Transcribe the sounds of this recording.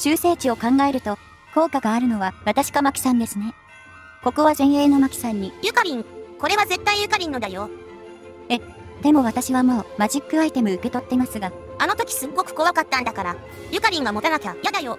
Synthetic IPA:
ɕɨːse̞ːt͡ɕio̞kãŋɡae̞ɾɯ̟t̪o̞ | ko̞ːkaɡaːɾɯ̟no̞β̞aβat̪aɕi̥kamakʲi̥sãnd̪e̞sɨne̞ | ko̞ko̞βazẽ̞ɰ̃e̞ːno̞makʲi̥sãɲ̟ːijɯ̟kaɾʲĩŋko̞ɾe̞β̞aze̞t̪ːaijɯ̟kaɾʲĩnːo̞d̪ajo̞ | e̞d̪̥e̞mo̞β̞at̪aɕiβamo̞ːmaʑikːɯ̟ait̪e̞mɯ̟ɯ̟ke̞t̪o̞t̪ːe̞masɨɡa | anot̪o̞kʲi̥sɨɡɡo̞kɯ̟̥ko̞βakat̪ːãnd̪akaɾa | jɯ̟kaɾʲĩŋ̃ɡamo̞t̪anakʲajad̪ajo

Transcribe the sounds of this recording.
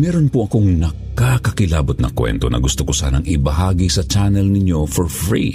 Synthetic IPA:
mɛːɾonpoʔɐko̞ŋnɐ | kakɐkɪlaːbot̪̚nɐ̰kwɛ̰nt̪o̰nɐ̰ɡʊst̪okosa̰ːnɐŋɪbɐɦaːɡisɐt͡ʃanɛlnɪɲjo̞foɹfɹḭ

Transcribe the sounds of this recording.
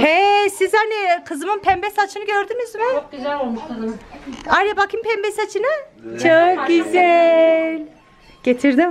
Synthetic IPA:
hɛsizhanikʰɯzɯmɯnpʰɛmbɛsat͡ʃʰɯnɯɟøɾd̪ynyzmɛk̪ | aɾebakʰɯmpʰɛmbɛsat͡ʃʰɯnɯt͡ʃʰok̚ɟyzɛlʲ | ɟ̥et̪ʰiɾd̪im

